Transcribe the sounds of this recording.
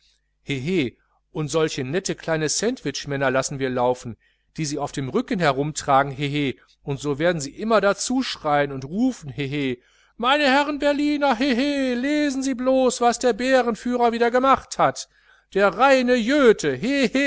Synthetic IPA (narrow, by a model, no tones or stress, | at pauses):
heɦeː | ʔʊntz̥ɔlçənɛtəkl̥aɪnəsɛntv̥ɪt͡ʃmɛnɐlasn̩viːɐlaʊfn̩ | d̥iːziːaʊfd̥eːmʁʏkən̩hɛɐʁʊmtʁ̥aːɡŋ̩ɦeɦeː | ʔʊntz̥oːveːɐdn̩ziːʔɪmɐdat͡suːʃʁ̥aɪənʊntʁuːfn̩ɦeɦeː | maɪnəhɛʁənbɛɐliːnɐɦeɦeleːzn̩ziːbloːsv̥asd̥eːɐbeːʁənfyːʁɐviːdɐɡəmaχthat | d̥eːɐʁaɪnəjøːtʰəɦehe